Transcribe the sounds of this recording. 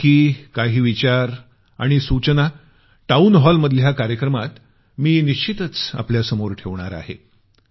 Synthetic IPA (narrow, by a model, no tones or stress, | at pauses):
kiːkaɦiːʋit͡ɕaɾ | aɽ̃isut͡ɕna | ʈaunɦɔlməd̪ʱljakaɾjəkɾəmat̪ | miːniɕt͡ɕit̪ət͡sa̰pljasəmoɾʈʰeʋɳ̃a̰ɾa̰ɦḛ